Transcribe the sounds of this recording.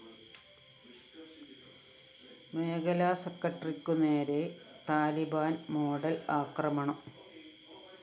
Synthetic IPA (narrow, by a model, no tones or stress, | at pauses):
me̞ːɡɐlaːsekːɐʈːrikʲːuneːɾet̪aːlibaːnmo̞ːɖɐlaːkrɐmɐɳɐm